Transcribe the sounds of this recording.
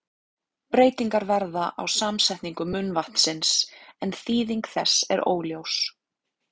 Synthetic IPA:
pɾeːjt̪iŋkaɾvɛɾðaʔa̰wsaːmsɛjht̪niŋkʏmʏnvaht̪n̥sɪnsɛnθiːðiŋkθɛsːɛ̰ɾo̰ːwljows

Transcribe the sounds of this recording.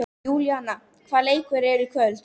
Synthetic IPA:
uːljanːa | kʰvaːleːjkʰvʏɾɛɾʏkʰvœl

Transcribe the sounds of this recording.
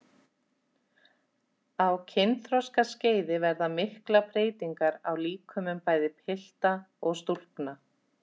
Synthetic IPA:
awcʰɪnθɾɔskasceːjðɪvɛɾðamɪhklapɾeːjt̪iŋkaɾa̰wliːkʰʏmʏmpaːjðɪpʰɪl̥t̪a | ɔɣst̪ul̥kna

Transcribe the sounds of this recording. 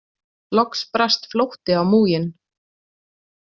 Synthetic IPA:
lɔkspɾast̪flowht̪ɪawmuːjɪn

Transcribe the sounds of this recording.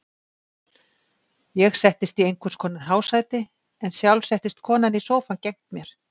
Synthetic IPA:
jɛɣsɛht̪ɪst̪iejŋkʰʏ̥skʰɔːnaɾɦaːwsaːjt̪ɪ | ɛnsjawlsɛht̪ɪst̪̚kʰɔːnanisowfancejŋ̥t̪mjɛɾ̥

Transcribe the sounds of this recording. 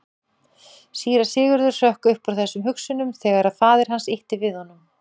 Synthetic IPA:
siːɾasɪːɣʏɾðʏɾ̥sœhkʏhpɔɾθɛsːʏmɦʏksʏnʏmθɛːɣaɾaðfaːðɪɾ̥ɦansɪht̪ɪvɪðhɔnːʏm

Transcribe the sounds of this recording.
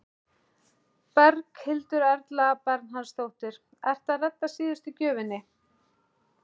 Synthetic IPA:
pɛɾkhɪlt̪ʏɾɛɾt̪laːpɛɾt̪nɦansθowht̪ɪɾ̥ | ɛr̥t̪aðrɛt̪ːasiːðʏst̪ɪcœːvʏnːɪ

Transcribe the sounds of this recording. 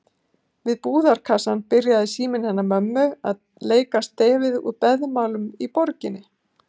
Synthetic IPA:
vɪðpuːðaɾ̥kʰasanpɪɾjaðɪsiːmɪnhɛnːamœmːʏað | leːjkast̪eːvɪðṵðpɛðmaːwlʏmipɔɾcɪnːɪ

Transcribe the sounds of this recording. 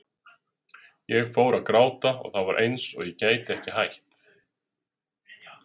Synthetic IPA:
jɛɣfoːwɾaðkɾaːwt̪aɔ̰ɣθavaɾʔḛjnsɔ̰ɣjɛcaːjt̪ɪɛhcɪhajht̪

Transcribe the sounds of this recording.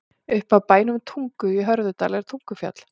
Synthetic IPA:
ʏhpaðpaːjnʏmt̪ʰuŋkʏiɦœɾðʏt̪aːlɛɾ̥t̪ʰuŋkʏfja̰t̪l̥

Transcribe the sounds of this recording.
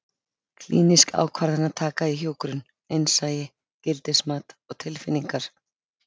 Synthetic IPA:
kʰlḭːniska̰ːwkʰvaɾðanːat̪ʰaːkaðiɦjoːwkɾʏn | ejnsaːjɪ | cɪlt̪ɪsmaːt̪ɔɣt̪ʰɪlfɪnːiŋkaɾ̥

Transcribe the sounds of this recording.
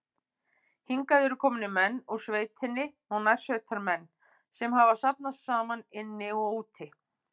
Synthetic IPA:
hiŋkaðɪɾʏkʰɔːmʏnɪmɛnːuɾ̥sveːjt̪ʰɪnːɪnawnaj̥sœɥt̪ʰaɾmɛnː | sɛmɦavasapnast̪saːmanɪnːɪɔɣuːt̪ʰɪ

